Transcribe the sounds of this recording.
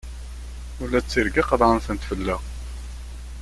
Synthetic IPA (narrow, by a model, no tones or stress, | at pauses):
ʊlːæt͡sːiɾɡiqəðˤʁənθænt̪fəlːæʁ